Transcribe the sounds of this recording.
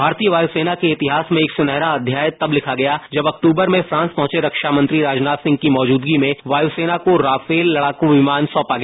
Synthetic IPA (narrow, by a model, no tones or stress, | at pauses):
bʱaːɾt̪iːjəʋaːjuseːnakeɪt̪ɪɦaːsmẽeːksʊnɛɦɾaɐd̪ʱjaːjt̪ɐblɪkʰaɡɐjad͡ʒɐbɐk̚ʈuːbəɾmẽfɾãːnspɐ̃ɦʊ̃t͡ʃeɾɐkʃamɐ̃nt̪ɾiɾaːd͡ʒnaːt̪sɪ̃ŋɡ̚kimɔːd͡ʒuːd̪ɡimẽʋaːjuseːnakoɾaːfeːlːɐɽaːkũʋɪmaːnsɔ̃ːpaɡɐjː